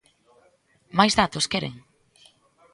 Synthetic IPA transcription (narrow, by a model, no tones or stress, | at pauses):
majzðat̪oskɛɾḛŋ